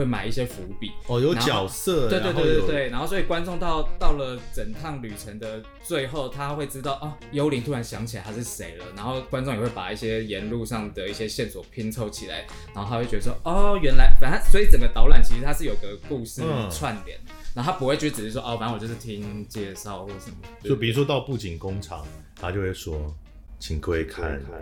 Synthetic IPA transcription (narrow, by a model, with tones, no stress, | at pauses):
we˥˩ɪma̰˨˩ɪi˥˩ɕ̬jɛ˦˥fu˧˦pi˨˩˦ɔ˨jo˨˧˦ʊa˥t͡ɕjɑ˨˩ʊsə˥˨we˥˧t̪w̪wt̪t̪we˥˩ɪna˧˥nxo˥˩ʊswɔ˧˥i˨˩kwa˦˥nʈ͡ʂʊ˥˧ŋt̪ɑ˥˧ʊt̪ɑ˥˩ʊlə˨˩t͡sə˨˩nt̪ʰɑ˥˩ŋly˨˩ʈ͡ʂʰə˧˦ŋd̪ə˧ | t͡swe˥˧ɪxo˥˩ʊt̪ʰa˦˥xwe˥˩ɪʈ͡ʂɻ̩˥t̪ɑ˥˩ʊʔɔ˥˩jo˥ʊli˧˥nt̪ʰu˥ɻa˧˦nɕjɑ˧˥ŋt͡ɕʰi˨˩a˦ɪt̪ʰa˥ʂɻ̩˥˩ʂe˧˥ɪlə˨na˧˥nxo˥˩ʊkwa˥˦nʈ͡ʂʊ˥˩ŋjɛ˨˩we˥˩pa̰˨˩i˥˩ɕjɛ˥jɛ˧˦nlu˥˧ʂɑ˥˩ŋd̪ə˩i˥˩ɕjɛ˦˥ɕjɛ˥˩nswɔ˨˩pʰi˥ŋt͡sʰo˥˧ʊt͡ɕʰi˨˩la̰˦ɪ | na˨˦˥xo˥˩t̪ʰa˥we˥˩t͡ɕɥɛ˧˥ə˧˩wɔ˦ɔ˥˩ɥɛ˧˥nla˧˦˥ɪfa˨˥a˥swɔ˧˥i˧˥t͡sə˨˩ŋɡə˦t̪ɑ˧˥ʊla˨˩nt͡ɕʰi˧ʂɻ̩˧t̪ʰa˥ʂɻ̩˥˩jo˨˩i˨ɡə˨˩ku˥˧ʂɻ̩˥˨t͡sʰwa˥˩nt̪jɛ̰˨˩˦n | na˧˥o˥a˥pu˧˥xwe˥˩ɪt͡ɕɛ˧˥˧ɻ̩˨˩˥wɔ˥ʔɔ˥˩fa˨˦nwjo˥˧ʊʂ̩˥˩t̪ʰi˦ŋt͡ɕjɛ˥˧ʂɑ˥˧ʊxwɔ˥˩ʂə˨˩nmə˦˩ɔ˥˩pi˨˩ɻu˧˥ʂ̬wɔ˦t̪ɑ˥˧ʊpu˥˩t͡ɕi˨˩nkʊ˦ŋʈ͡ʂʰɑ̰˨˦ŋ | t̪ʰa˥t͡ɕjo˥˧ʊxwe˥˩swɔ˥ | t͡ɕʰi˨˩ŋkwe˥˦ɪkʰa̰˥˩˨n